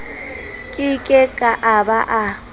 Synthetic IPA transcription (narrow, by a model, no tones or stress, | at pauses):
kʼɪkʼɛkʼaʔabaʔa